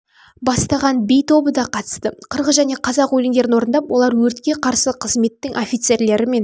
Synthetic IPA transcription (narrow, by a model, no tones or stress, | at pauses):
bɑst̪ɑʁɑnbejt̪ʰo̞bəd̪ɑqʰɑt̪ə̥st̪əqʰəɾʁəʒæne̞qʰɑzɑqwɵlɪŋd̪e̞ɾɪnwo̞ɾənd̪ɑpwʔo̞lˠɑɾwɵɾt̪kʲe̞qʰɑɾsəqʰəzme̞t̪ːɪŋʔofʲijt̪se̞ɾle̞ɾɪme̞n